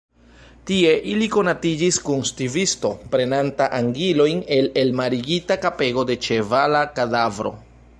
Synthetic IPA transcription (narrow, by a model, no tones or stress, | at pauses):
tie̞ʔiliko̞natid͡ʒiskunstivisto̞pɾe̞nantaʔaŋɡilo̞jne̞le̞lmaɾiɡitakape̞ɡo̞de̞t͡ʃe̞valakadavɾo̞̰